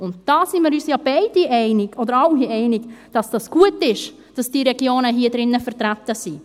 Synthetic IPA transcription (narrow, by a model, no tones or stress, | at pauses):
ʊntd̥ɑːsimiːɾyːsjɑːb̥ɛɪd̥iʔɛɪnɪɡɔdəɾɑʊhiɛɪnɪɡd̥ɑsd̥ɑsɡ̥uətɪʃ | d̥ɑsd̥iːɾɛɡjoːnəɦiːədɾɪnːəfɛɾtɾatəsi